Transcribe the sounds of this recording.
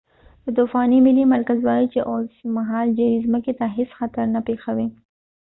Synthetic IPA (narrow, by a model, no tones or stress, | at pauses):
d̪̥ət̪ufɑnimɪlːimaɾkazwɑjit͡ʃeʔosmaɦɑld͡ʒaɾizməket̪aɦesxat̪aɾnapexawi